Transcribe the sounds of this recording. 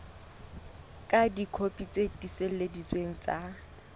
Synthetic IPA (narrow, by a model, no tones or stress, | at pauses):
kʼadikʰopʼit͡sʼedisel̩ledit͡sʼweŋ̩t͡sʼa